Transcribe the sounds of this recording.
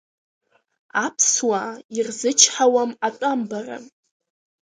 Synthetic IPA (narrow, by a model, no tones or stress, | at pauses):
apʰswairzɨt͡ʃʰħawamatʷʼambara̰m